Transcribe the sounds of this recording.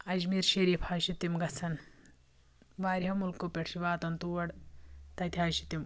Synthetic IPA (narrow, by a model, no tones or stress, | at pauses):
ɐd͡ʒmiːɾʃeɾipʰaːʃit̪imɡɐt͡sʰɐn | ʋaːɾiɦɐmulkːopʲeʈʂiʋaːt̪ɐnt̪uwɐɽt̪ɐt̪ʰʲiaːʃit̪im